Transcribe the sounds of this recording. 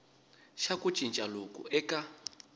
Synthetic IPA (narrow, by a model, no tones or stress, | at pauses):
ʃaku̥t͡ʃʼint͡ʃʼalokʼṵɛka